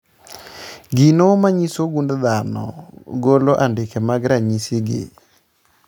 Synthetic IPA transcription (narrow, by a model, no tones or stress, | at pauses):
ɡinomaɲisoɡundd̪anɔ̰ɡoloʔandɪkɛmaɡɾaɲiseɡḛ